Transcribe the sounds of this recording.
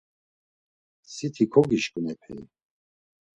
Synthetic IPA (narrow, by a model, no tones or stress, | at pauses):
sit̪ʰikʰɔɡiʃkʼnɛpʰɛḭ